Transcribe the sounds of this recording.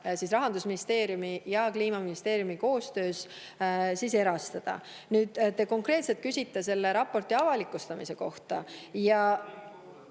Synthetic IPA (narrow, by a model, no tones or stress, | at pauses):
sisrɑɦɑnd̪usminist̪e̞ːɾjumijɑkliːmɑminist̪e̞ːɾjumiko̞ːst̪ø̞ːs | sise̞ɾɑst̪ɑd̪̥ɑ̰ | nyːd̪̥t̪e̞ko̞ŋkre̞ːt̪set̪̚kysʲit̪ːˑes̬e̞lːe̞ɾɑpːˑo̞rt̪iɑvɑlikːˑust̪ɑmise̞ko̞ht̪ɑ̰jɑ